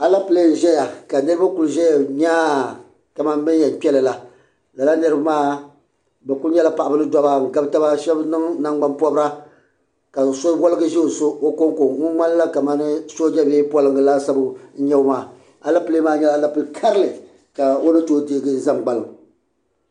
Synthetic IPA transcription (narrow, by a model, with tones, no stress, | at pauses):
a˨la˦pɨ˨le˦n˨ʒɛ˦ja˨ka˨nɨ˦ɾɨ˦ba˦ku˨lʒɛ˦ja˨ɲaː˦ | ka˨ma˦n˦bɨ˦n˦jɛ˨n˨k͡pɛ˦lɨ˨la˨ | la˨la˦nɨ˦ɾɨ˦ba˦maː˦ | bɛ˨ku˦lɲɛ˦la˦pa˨ʔa˨bɨ˦nɨ˦dɔ˦ba˦ŋ̩˨ɡa˦bɨ˦ta˦ba˦ʃɛ˦bnɨ˦ŋna˦ŋɡ͡ba˦npɔ˦bɨ˦ɾa˦ | ka˨so˦wɔ˦lɨ˦ɡɨ˦ʒɛ˦o˨so˦o˦ko˦ŋ˦ko˨ŋu˦ŋ͡ma˦n˦la˦ka˨ma˨˦nɨ˦so˦d͡ʒɛ˦be˦pɔ˦lɨ˨ŋɡɨ˨la˦sa˦bɨ˦ɲɛ˦o˦maː˨ | a˨la˦pɨ˦le˦maː˦ɲɛ˦la˦la˦pɨ˨lkʰa˦ɾɨ˦lɨ˨ | ka˨o˦nɨ˦toː˦deː˦ɡɨ˦za˦mɡ͡ba˨lɨ˨m